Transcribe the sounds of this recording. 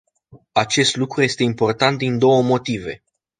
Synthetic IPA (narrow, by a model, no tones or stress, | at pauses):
at͡ʃe̞st̪lukɾuje̞st̪e̞impo̞rt̪ant̪̚d̪ind̪o̞wəmo̞t̪ive̞̰